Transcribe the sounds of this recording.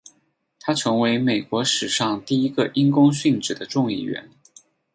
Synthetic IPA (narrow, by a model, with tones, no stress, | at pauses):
t̪ʰa˥ʈ͡ʂʰɤ˧˥ŋwe˧˥ɪme˨˩ɪkwɔ˧˥ʂɻ̩˨˩ʂɑ˥˧ŋt̪i˥˩i˧˥ɡə˧ʔi˥nkʊ˥ŋɕy˥˩nʈ͡ʂɻ̩˨˩d̪ə˦ʈ͡ʂʊ˥˧ŋi˥˩ɥɛ̰˧˥n